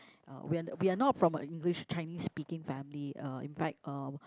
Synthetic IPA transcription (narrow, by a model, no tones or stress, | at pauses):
ʔʌ̰wiawianɔtfɹɔ̃mə̰ĩŋɡliʃt͡ʃaɪnisːpikɪ̃ŋfɛ̃mliʌḭ̃nfɛk̚tʌ